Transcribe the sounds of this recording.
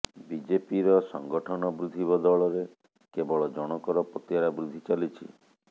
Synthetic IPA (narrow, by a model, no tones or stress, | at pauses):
bid͡ʒepiɾɔsɔ̰ŋɡɔʈʰɔnɔbɾud̪ʱiβɔd̪ɔɭɔɾe | kebɔɭɔd͡ʒɔɽ̃ɔkɔɾɔpot̪jaɾabɾud̪ʱit͡ʃalit͡ʃʰḭ